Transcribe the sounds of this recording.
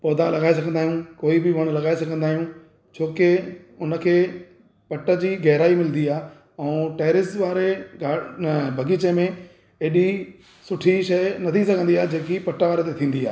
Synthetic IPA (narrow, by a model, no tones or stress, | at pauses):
pɔːd̪ãlɐɡaːes̬ɐɡʱə̃nd̪aːɦijũkoːibɪʋɐɽ̃lɐɡaːesɐɡʱə̃nd̪aːɦijũː | t͡ɕʰoːkɪ | ʊnə̆kʰeː | pɐʈə̆d͡ʑiːɡɛɦɪɾaːimɪlənd̪iaː | ɛ̃ːʈeːɾɪsʋaːɾeɡabʱɐɡiːt͡ɕemẽ | eːɗi | sʊʈʰiʃɐnɐt̪ʰisɐɡʱə̃nd̪iaːɦd͡ʑeːkipɐʈəʋaːɾet̪et̪ʰĩːn̆d̪ia̰ː